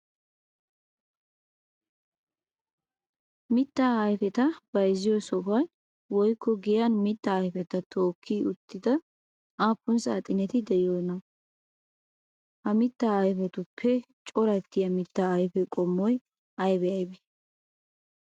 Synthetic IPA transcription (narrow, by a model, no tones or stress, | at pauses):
mɪt̪ːaːɐjfɛt̪ɐb̥ɐjzɪjɔsɔfɐj | wɔjkʰːɔɡɪjanmɪt̪ːaːjfɛt̪ɐt̪ʰoːkʰːiʊt̪ːɪd̪ɐ | ʔaːpːʊnsa̰ːt̪ʼɪnɛt̪ɪd̪ɛjoːnɐ | hɐmɪt̪ːaːɐjfɛt̪ʊpʰːɛ | t͡ʃʼɔɾɐt̪ːɪjɐmɪt̪ːaɐjfɛkʼɔmːɔj | ɐjbɛɐjbɛ